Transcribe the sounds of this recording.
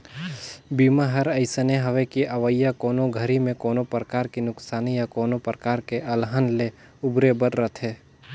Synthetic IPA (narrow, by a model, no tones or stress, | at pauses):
biːmaɦɐɾɐɪsəneɦɐʋekiʔɐʋəjːakoːnoɡʱəɾimẽkoːnopɾəkaːɾkinʊksaːnijakoːnopɾəkaːɾkeʔɐlɦənle | ʊbɾebəɾɾət̪ʰɦeː